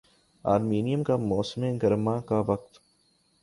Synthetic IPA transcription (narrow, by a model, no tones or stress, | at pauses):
a̰ːɾmiːnijəmkamɔːsmẽɡɐɾmakaʋɐq̚t̪